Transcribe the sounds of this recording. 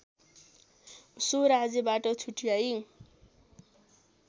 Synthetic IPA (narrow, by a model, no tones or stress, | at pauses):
soɾad͡zebaʈʌt͡sʰuʈijaj